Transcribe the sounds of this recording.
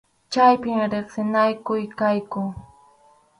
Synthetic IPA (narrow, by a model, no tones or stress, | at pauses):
t͡ʃajpɪmɾɪχsɪnajkʊjkajkʊŋ